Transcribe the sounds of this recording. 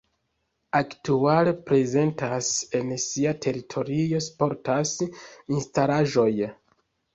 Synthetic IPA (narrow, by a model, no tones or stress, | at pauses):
aktuale̞pɾe̞ze̞ntase̞nsiatʰe̞ɾitʰo̞ɾio̞spo̞ɾtasinstalaʒo̞j